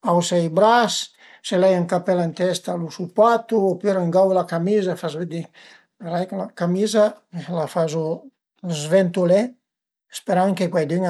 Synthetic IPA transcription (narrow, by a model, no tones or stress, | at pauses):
awsɛjbɾas | selɛjaŋkapɛlant̪ɛst̪alusupat̪uɔpyɾaŋɡawlakamizafazved̪i | peɾajklakamizalafazu | zvɛnt̪ulɛ | speɾaŋkekwajd̪iŋ